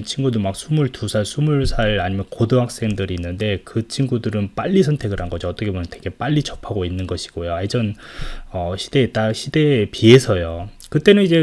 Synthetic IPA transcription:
nt͡ɕʰinɡudomak̚sʰumuɭtusʰaɭsʰumuɭsʰaɭaɲimjʌnkodoɦak̚s͈eŋdɯɾiːnːɯnde̞kɯt͡ɕʰinɡudɯɾɯnp͈aʎːisʰʌntʰe̞ɡɯɾɦanɡʌd͡ʑoʌt͈ʌkʰebomjʌnteɡe̞p͈aʎːit͡ɕʌpʰaɡoinːɯnɡʌɕʰi̥ɡ̥ojoaid͡ʑʌnʌɕʰi̥d̥e̞ːt͈aɕʰid̥e̞pie̞sʰʌjo | kɯt͈e̞nɯnid͡ʑe̞

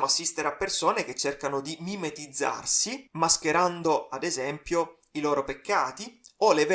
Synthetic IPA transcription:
moasːist̪eɾeapːersoːnek̟et͡ʃːerkanod̪imimet̪id̪zːa̰rsimask̟eɾand̪oad̪ezɛmpjo | iloːɾopekːaːt̪ioleve

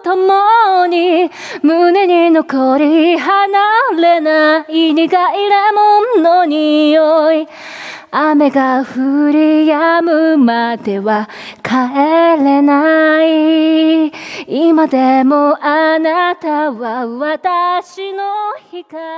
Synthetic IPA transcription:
t̪omoɲi | mɯneɲinokoɾiɦanaɾenaiɲiɡaiɾemonoɲioi | ame̞ɡaɸɯɾijamɯ̟mad̪e̞βa | kʰaeɾenai | imad̪e̞moʔanat̪aβaβat̪aɕinohika

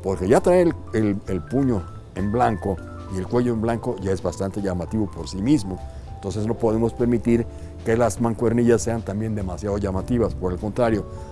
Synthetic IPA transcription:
po̞ɾke̞ʝat̪ɾaelelelpuɲo̞ | emblaŋko̞ | ie̞lkwe̞ʝo̞emblaŋko̞ʝaezβast̪ant̪e̞ʝamat̪iβo̞po̞ɾsimizmo̞ent̪o̞ns̬e̞zno̞po̞ðe̞mo̞spe̞ɾmit̪iɾ | ke̞lazmaŋkwe̞ɾniʝasːe̞ant̪ambje̞nd̪e̞masjaðo̞ʝamat̪iβaspo̞ɾe̞lko̞nt̪ɾaɾjo̞

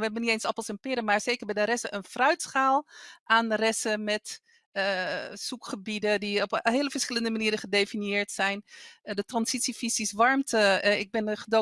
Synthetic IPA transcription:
ʋəɦɛbənitejnsɑpəlˠsɛmpɪːɾəmaːɹsejkəɹbɛjdəɾɛsəʔənfrœɥtsχaːlˠaːnrɛsəmɛt | sukχəbidədiɔpɦeːləfəɹsχɪləndəmaniːɾəχədefinjɪːɹtsɛjndətrɑnsitsifisisʋɑɹmtəɪɡ̚bɪnχədo

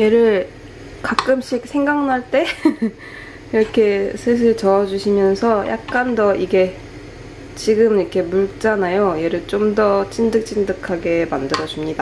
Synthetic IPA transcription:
je̞ɾɯɭ | kak͈ɯmɕ͈ʰik̚sʰe̞ŋɡaŋnaɭt͈e̞ | iɾʌkʰe̞sʰɯs̬ʰɯɭt͡ɕʌʌd͡ʑuɕʰimjʌnsʰʌjʔa̰k̚k͈andʌiɡe̞ | t͡ɕiɡɯmiɾʌkʰe̞muɭt͡ɕ͈anajoje̞ɾɯɭt͡ɕ͈omdʌt͡ɕ͈indɯk̚t͡ɕ͈indɯkʰaɡe̞mandɯɾʌd͡ʑumɲida

